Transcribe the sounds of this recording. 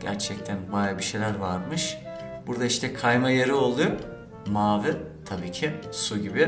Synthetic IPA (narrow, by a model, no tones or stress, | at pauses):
ɟ̥æɾt͡ʃʰɛc̚t̪ʰænbajabiʃejlʲæɾvaɾmɯʃ | buɾd̪aiʃt̪ʰɛkʰajmajeɾio̞lˠujo | maːvɯ | t̪ʰabiːcʰɪsuɟibɪ